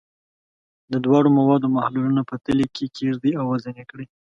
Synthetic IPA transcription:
d̪əd̪wɑɽomawɑd̪omahlulunapət̪əlekʰekʰeʐd̪iawːazanekɽi

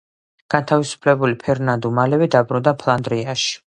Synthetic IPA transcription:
ɡ̥ant̪ʰavisu̥pʰlɛbulipʰɛɾnand̪umalɛvid̪abɾund̪apʰlˠand̪ɾiaʃi̥

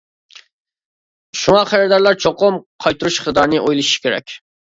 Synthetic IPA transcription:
ʃuŋɑχʰæɾɾd̪ɑɾlˠɑɾt͡ʃʰoqʊmqʰɑjt̪uɾuʃχəd̪ɑɾnɨʔojlˠɨʃʃi̥kʲʰeɾɛ̰kʲ

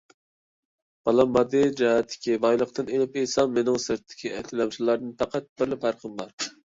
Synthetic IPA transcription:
b̥ɑlˠɑmːɑd̪ɨd͡ʒɑɦɛt̪ʰːɪ̥kʲibɑjlˠəqt̪ɨnelɪpesɑmːenɪŋsɨɾt̪ʰːɪ̥kʲʰiʔɛ̰t̪ʰɪlɛmʃilˠɑɾd̪ɨnpʰæqæt̪̚b̥ɪɾlɪphæɾqʰəmbɑɾ

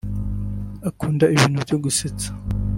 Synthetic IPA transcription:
akuːndaiβiːnhubjoɡuset͡sḁ

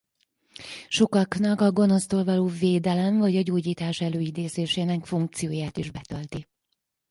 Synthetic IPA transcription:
ʃo̞kɒknɒkɒɡo̞no̞st̪oːlvɒloːveːd̪ɛlɛɱvɒɟɒɟoːɟiːt̪aːʃɛløːid̪eːzeːʃeːnɛkfuŋk̚t̪sijoːjaːt̪iʒbɛt̪ɒlt̪i

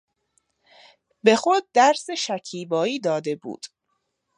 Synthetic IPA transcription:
be̞xod̪̚ːæɾseʃæcʰiːbɒːiːd̪ɒːd̪e̞bṵːd̪̥

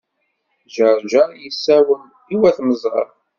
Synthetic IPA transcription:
ʒəɾʒəɾjəsːæwən | iwæθməzˤʁə̰ɾ

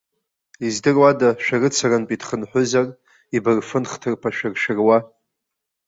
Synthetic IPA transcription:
izdɨrwadaʃᶣarɨt͡sʰarɨnpʼidχənħʷʊzar | ibɨrfɨnχtʰɨrpʰaʃᶣɪrʃᶣɪrwa

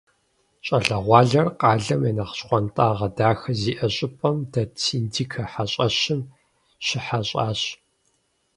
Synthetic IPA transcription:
ɕʼɐɬɐʁʷɑːɮɐrqɑːɮɐmjɛnɐqɕχʷɔntʼaːʁɐdaːxɐziːʔɐɕʼɪpʼɐmdɐt͡sʰiːndʰiːkʰɐħaɕʼɐɕɪm | ɕɪħaɕʼa̰ːɕ

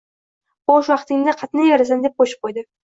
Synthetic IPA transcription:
bɒʃwɑqt̪ɪŋʲd̪aqʰɑt̪najaɾasand̪ep̚qʰoʃɪ̥p̚qʰojd̪ɪ

